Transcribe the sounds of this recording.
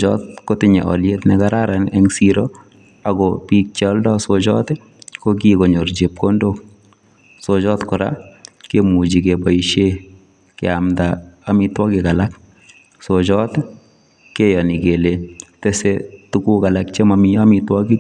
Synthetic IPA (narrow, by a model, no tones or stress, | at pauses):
t͡ʃɔtkotɪɲɛ̰ʔɔ̰ljetnɛkaɾaɾanɛŋsiɾɔ | aɡɔpik̚t͡ʃɔldɔsot͡ʃɔt | kokikoɲoɾd͡ʒep̚kondok | sot͡ʃɔtkɔɾa̰kemud͡ʒikepɔiʃe | kɛ̰amdaamitwɔkikalak̚ | sot͡ʃɔt | kejɔnikeletesetukukalak̚t͡ʃemamijamitwɔɡi